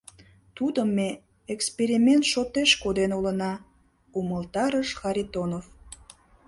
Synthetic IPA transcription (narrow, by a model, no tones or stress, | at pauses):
t̪ud̪əmːe | ekspeɾimʲent̪ʃot̪eʃkod̪enolənɑ | uməlt̪ɑɾəʃxɑɾʲit̪onof